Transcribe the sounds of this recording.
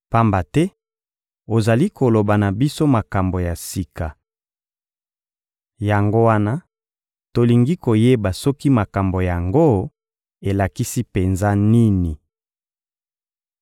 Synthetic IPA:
pa˦mba˨tɛ˦ | o˨za˨li˦ko˨lo˨ba˨na˨bi˦so˦ma˨ka˨mbo˨ja˨si˨ka˨ | ja˨ŋɡo˦wa˦na˦ | to˨li˨ŋɡi˦ko˨je˦ba˨sɔ˦ki˦ma˨ka˨mbo˨ja˨ŋɡo˦ | e˨la˨ki˦si˦pe˨nza˦ni˦ni˨

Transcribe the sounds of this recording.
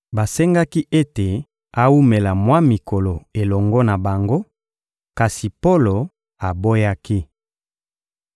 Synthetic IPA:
ba˨sɛ˦ŋɡa˦ki˦ʔe˦te˨ | a˦wu˦me˨la˨mwa˦mi˨ko˨lo˨e˨lɔ˨ŋɡɔ˦na˨ba˨ŋɡo˦ | ka˨si˨po˦lo˨ | a˨bo˦ja˦ki˦

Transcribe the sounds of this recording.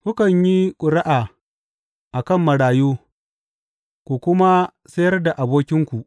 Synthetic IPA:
kʷʊ˦kɐ˨ɲji˦kʷʼʊ˨ɾa˦ʔaː˨ | ʔa˨kɐ˦˨mːɐ˨ɽaː˨joː˦ | kʷu˨kʷʊ˦ma˦ | sɐ˦jɐ˦rda˨ʔa˨boː˦kʲɪ˦ŋkʷu˨ʔ

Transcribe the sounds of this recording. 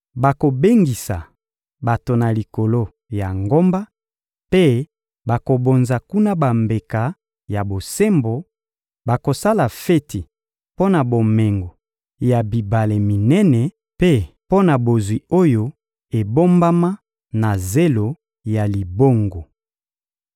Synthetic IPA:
ba˨ko˨be˦ŋɡi˨sa̰˨ | ba˨to˨na˨li˨ko˨lo˦ | ja˨ŋɡo˦mba˦ | pe˦ | ba˨ko˨bo˨nza˨ku˦na˦ba˨mbe˨ka˨ | ja˨bo˨se˦mbo˨ | ba˨ko˨sa˦la˨fe˦ti˨ | po˦na˨bo˨me˨ŋɡo˨ | ja˨bi˨ba˨le˨mi˨nɛ˦nɛ˨ | pe˦po˦na˨bo˨zwi˨o˦jo˦ | e˨bo˦mba˦ma˦ | na˨ze˦lo˨ | ja˨li˨bo˦ŋɡo˨

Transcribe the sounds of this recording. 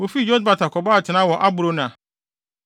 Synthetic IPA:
wo˨fi˦˨d͡ʑɔ˦d̚ba˨tʰa˨kʰɔ˨ba˦˨t͡ɕʰɪ˨nã˦wɔ˨ʔa˦bʊ˨ɾo˦nʊ̃˨a˨

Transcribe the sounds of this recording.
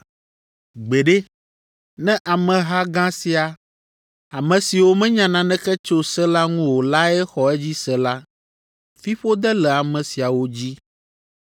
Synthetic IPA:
ɡ͡be˨ɖɛ˦ | nɛ̃˦ʔa˨mɛ̃˨ɦa˦ɡã˦si˨a˨ | a˨mɛ̃˨si˨wo˦mɛ̃˦ɲã˨nã˨nɛ̃˦kɛ˦t͡ʃo˦sɛ˦la˦ŋũ˦wo˨la˦ɛ˦xɔ˨ɛ˦d͡ʑi˦sɛ˦la˦ | fi˦ɸo˦d̪ɛ˦lɛ˨a˨mɛ̃˨si˨a˨wo˦d͡ʑi˦

